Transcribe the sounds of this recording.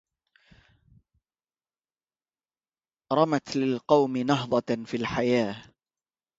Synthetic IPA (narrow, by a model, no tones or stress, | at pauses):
ɾˤɑmat̪lɪlqɑwmɪnɑɦd̪ˤɑfiːlħajaː